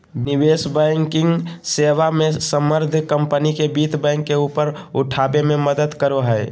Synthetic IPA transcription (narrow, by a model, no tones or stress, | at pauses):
nɪʋeːsbɛɪŋkɪ̃ŋɡseːʋamẽsəməɾd̪ʱkə̃mpənikebiːt̪bɛ̃ːɪŋkːeuːpəɾʊʈʰaːbemẽməd̪əd̪kəɾoɦɛː